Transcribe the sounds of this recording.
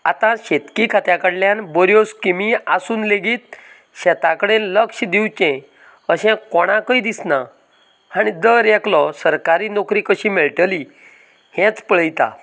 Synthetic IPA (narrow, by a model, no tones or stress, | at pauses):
a̰t̪ãɕet̪kikʰat̪jakəɽljanbɔɾjoskimiasuːnleɡiːt̪̚ | ɕɛt̪akəɽenləkɕd̪iwt͡ɕɛ̃ | əɕɛ̃kɔɽ̃ãkəid̪isna | aɽ̃id̪əɾjɛklɔsəɾkaɾiːnɔkɾiːkəɕiːmeɭʈəli | hɛ̃t͡spəɭ̤əjt̪a̰